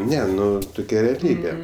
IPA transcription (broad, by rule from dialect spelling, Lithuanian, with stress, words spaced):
ˈnʲɛ ˈnʊ tʊˈkʲɛ rʲɛɐˈlʲiːbʲeː